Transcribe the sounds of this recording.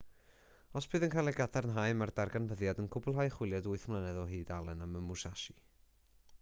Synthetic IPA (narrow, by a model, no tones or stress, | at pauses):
ɔsb̥ɨːðənkʰajlˠɛɡadʰarnɦaɨmardarɡanvəðjadənkʰʊbʊlˠɦajχwɪlˠjadʊɨθmlˠənɛðɔɦɨːdalˠɛnaməmʊsaʃi